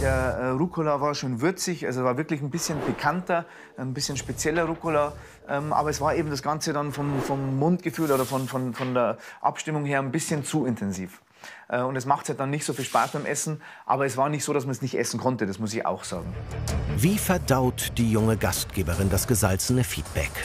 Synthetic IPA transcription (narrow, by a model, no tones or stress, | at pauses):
d̥eːɐɛːʁukʰolavaːɐʃoːnvʏɐt͡sɪçʔalzosvaːvɪɐklɪçn̩bɪsçənbəkʰantɐ | ʔnbɪsçənʃpet͡sjɛlɐʁukola | ʔɛːmʔa̰ːbɐɛsv̥aːɐʔeːbm̩dasɡ̥ant͡sədanfɔmfɔmːʊntɡ̥əfyːloːɾɐfɔnfɔnfɔndeːɐʔa̰pʃtɪmʊŋheːɐnbɪsçənt͡suɪntʰɛnziːf | ʔɛːʊntɛs̬maχthat̚d̥anːɪçtz̥oːfiːlʃpa̰ːsb̥aɪmʔɛsn̩ | ʔa̰ːbɐɛsv̥aːɐnɪçtz̥oːɾasmansnɪçtʔɛsn̩kʰɔntədasmʊs̬ɪça̰ʊxz̥a̰ːɡŋ̩viːfɛɐdaʊtd̥iːjʊŋəɡastɡ̥eːbəʁɪndasɡ̥əzalt͡sənəfiːt̚b̥ɛk